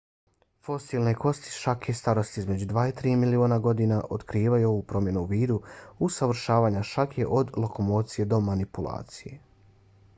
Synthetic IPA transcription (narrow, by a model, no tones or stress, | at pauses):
fo̞siːlneko̞st̪i̥ʃakjest̪aɾo̞st̪iizme̞d͡ʑud̪ʋaːit̪ɾiːmilioːnaɡo̞d̪iːnaʔo̞t̪kɾiːʋajuo̞ʋuːpɾo̞mje̞nuuʋiːd̪uusaʋɾ̩ʃaːʋaːɲaʃakje̞ʔo̞d̪lˠoko̞mo̞ːt̪sije̞d̪o̞manipulˠa̰ːt̪sije̞̰